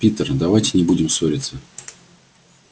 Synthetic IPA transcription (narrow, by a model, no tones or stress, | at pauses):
pʲit̪ərd̪ɐvajtʲɪnʲɪbudʲɪmsoɾʲɪt̪sə